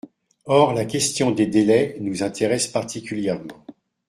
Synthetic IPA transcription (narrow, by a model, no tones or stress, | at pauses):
ɔʁlakʲɛst̪jɔ̃d̪ed̪elɛnuzɛ̃t̪eʁɛspaʁt̪ikʲyljɛʁmɑ̃